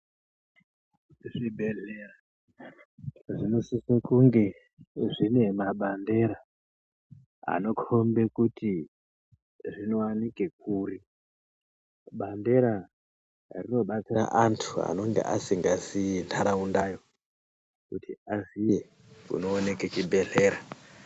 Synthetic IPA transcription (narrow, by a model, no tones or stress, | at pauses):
ʐibʱe̞ɮera | ʐino̞sisekuŋɡe̞ | ʐine̞maɓande̞ɾa | a̰no̞kʰo̞mbe̞kuti | ʐino̞wanikek̚uːri | ɓande̞ɾa | rino̞ɓat͡sira̰ʔantʰua̰no̞ŋɡe̞̰ʔasiŋɡasintʰaɾaundajo̞ | kutʰiazie | kṵno̞ːne̞ket͡ʃibʱe̞ɮe̞ːɾa